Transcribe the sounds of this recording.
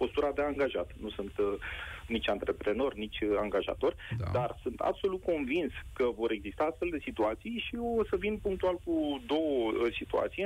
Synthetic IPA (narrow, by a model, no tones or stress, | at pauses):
po̞st̪uɾad̪e̞aŋɡaʒat̪nusunt̪nit͡ʃʲant̪ɾe̞pɾe̞no̞rʲnit͡ʃʲaŋɡaʒa̰t̪o̞rʲd̪arsunt̪a̰b̥so̞lut̪̚ko̞nvinskəvo̞ɾe̞ɡzist̪aast̪fe̞ld̪e̞sit̪uat̪sijʃisəvinpuŋk̚t̪ualkud̪o̞wəsit̪ua̰t̪sije